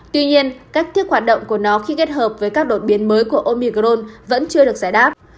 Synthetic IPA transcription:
t̪wi˧ɲi˧ənkaː˦˥k̚t̪i˦˥ək̚hwaː˨˩t̚ɗə̰˧˨wŋ͡mku˧˩ənɔ˨˦xi˧ke˦˥t̚həː˨˩p̚vəː˨˦jkaː˦˥k̚ɗo̰˧˨ɓi˨˦ənməː˨˦jku˧˩əʔo˧mi˧ɣzo˧nvə̰˧˥nt͡ɕɨ˧əɗək̚zaː˧˩jɗaː˦˥p̚

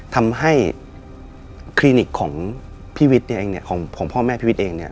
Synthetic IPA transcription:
t̪ʰa˧mɦa˥˩j | kʰliː˧ni˨˩kʰːɔː˩˦ŋ | pʰiː˥˩wi˦˥t̪̚ni˥˩ʔeː˧ŋni˥˩ɐkʰɔː˩˦ŋpʰɔː˩˦ŋpʰɔː˥˩mɛː˥˩pʰiː˥˩i˦˥t̪ʔeː˧ŋni˥˩ɐ

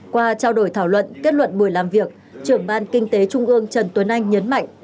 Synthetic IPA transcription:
kwaː˧t͡ɕaː˧wɗo˧˩jt̪ʰaː˧˩wlwə̰˧˨nke˦˥t̚lwə̰˧˨nɓu˧˩əjlaː˨˩mvi˨˩ək̚ | t͡ɕɨ˧˩əŋɓaː˧nkï˧ŋ̟t̪e˨˦t͡ɕʊ˧ŋ͡mʔɨ˧əŋt͡ɕə˨˩nt̪wə˨˦nʔa˧jŋ̟ɲə˨˦nma̰˧˨ŋ

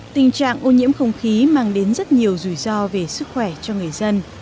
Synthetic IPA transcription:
t̪ï˨˩ŋt͡ɕa̰ː˧˨ŋʔo˧ɲḭ˧˥əmxə˧wŋ͡mxi˨˦maː˧ŋɗe˨˦nzə˦˥t̚ɲi˨˩əwzu˧˩jzɔ˧ve˨˩sɨ˦˥k̚xwɛ˧˩t͡ɕɔ˧ŋɨ˨˩əjzə˧n

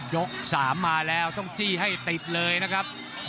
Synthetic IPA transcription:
jo˦˥k̚saː˩˦mːaː˧lɛː˦˥wt̪ɔ˥˩ŋt͡ɕiː˥˩ɦa˥˩jt̪i˨˩t̪̚lɤː˧jna˦˥kʰa˦˥p̚

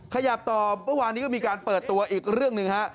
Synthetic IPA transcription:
kʰa˧ja˨˩p̚t̪ɔː˨˩mɤ˥˩˨waː˧nːiː˦˥kɔː˥˩miː˧kaː˧npɤː˨˩t̪ːu˧ɐʔiː˨˩k̚ɾɯ˥˩əŋnɯ˨˧ŋha˦˥ʔ

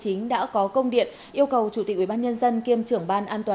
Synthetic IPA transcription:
t͡ɕï˨˦ŋ̟ɗa̰ː˧˥kɔ˨˦kə˧wŋ͡mɗḭ˧˨ən | ʔi˧əwkə˨˩wt͡ɕu˧˩t̪i˨˩k̚ʔwi˧˩aː˧ɲə˧nzə˧nki˧əmt͡ɕɨ˧˩əŋɓaː˧nʔaː˧nt̪waː˨˩

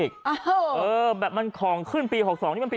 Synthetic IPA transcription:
k̚ʔɤː˧bɛː˨˩p̚ma˧nkʰɔː˩˦ŋkʰɯ˥˩npiː˧ɦo˨˩k̚sɔː˨˦t̪ʰi˥˧pː

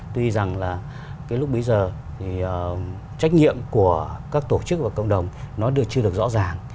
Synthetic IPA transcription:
t̪wi˧za˨˩ŋlaː˨˩ | kaː˨˦jlʊ˦˥k͡p̚ɓə˨˦jzəː˨˩ | t̪ʰi˨˩˨ | t͡ɕa˦˥k̟̚ŋḭ˧˨əmku˧˩əkaː˦˥k̚t̪o˧˩t͡ɕɨ˦˥k̚vaː˨˩kə̰˧˨wŋ͡mɗə˨˩wŋ͡mnɔ˨˦ɗɨ˨˩ək̚t͡ɕɨ˧əɗək̚zɔ̰˧˥zaː˨˩ŋ

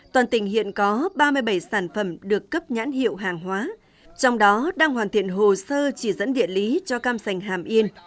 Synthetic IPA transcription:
t̪waː˨˩nt̪ï˧˩ŋ̟hḭ˧˨ənkɔ˨˦ɓaː˧mɨ˧əjɓə˧˩jsaː˧˩nfə˧˩mɗɨ˨˩əkːə˦˥p̚ɲa̰ː˧˥nhḭ˧˨əwɦaː˨˩ŋɦwaː˨˦ | t͡ɕɔ˧wŋ͡mɗɔ˨˦ɗaː˧ŋhwaː˨˩nt̪ʰi˧˩ənɦo˨˩səː˧t͡ɕi˧˩zə̰˧˥nɗḭ˧˨ənli˨˦t͡ɕɔ˧kaː˧msa˨˩jŋ̟ɦaː˨˩mʔi˧ən

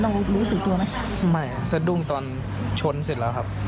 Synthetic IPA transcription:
ɾa˧wɾuː˦˥sɯ˨˩k̚t̪u˧ɐma˦˥kʰa˦˥ma˥˩jsa˧du˥˩ŋt̪ɔː˧n | t͡ɕʰo˦˥nse˨˩lɛː˦˥kʰa˦˥p̚

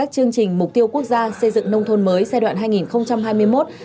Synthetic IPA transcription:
aː˦˥k̚t͡ɕɨ˧əŋt͡ɕï˨˩ŋ̟mʊ˨˩k͡p̚t̪i˧əwku˦˥ək̚zaː˧sə˧jzɨ̰˧˨ŋnə˧wŋ͡mt̪ʰo˧nməː˨˦jsɛ˧jɗwa̰ː˧˨nɦaː˧jŋi˨˩nxə˧wŋ͡mt͡ɕa˧mhaː˧jmɨ˧əjmo˦˥t̚

